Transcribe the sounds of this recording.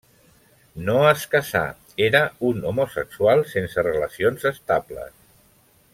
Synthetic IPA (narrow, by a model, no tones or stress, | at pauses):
noəskəsa̰ | eɾəunomosəkswalˠsensərələsionzəst̪aplə̰s